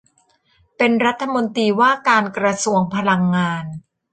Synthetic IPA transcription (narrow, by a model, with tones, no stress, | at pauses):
pe˧nɾa˦˥t̪ʰːa˧mo˧nt̪iː˧waː˥˩kaː˧nkɾa˧su˧˩əŋpʰa˧la˧ŋːaː˧n